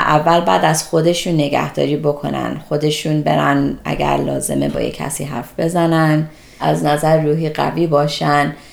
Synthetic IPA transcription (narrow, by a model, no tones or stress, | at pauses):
ʔævːælbæːd̪æz̥xo̞d̪e̞ʃuːnːeɡæ̰hd̪̥ɒ̰ːɾiːbo̞kʰo̞̰næ̰nxo̞d̪e̞ʃuːnbe̞ɾænʔæ̰ɟæ̰ɾlɒːze̞me̞̰bɒ̰ːjḛcʰːæ̰siːɦæ̰ɾfbe̞zænæn | ʔæznæzæɾɾuːɦiːɢæ̰viːbɒːʃæn